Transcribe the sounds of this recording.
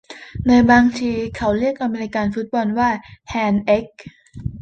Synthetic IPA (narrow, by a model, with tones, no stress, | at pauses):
naː˧jbaː˧ŋt̪ʰiː˧kʰa˦˥wɾi˥˩ək̚ʔa˧meː˧ɾi˧˥kaː˧nfu˦˥t̪̚bɔː˧nwaː˥˩hɛː˧nʔe˦˥k̚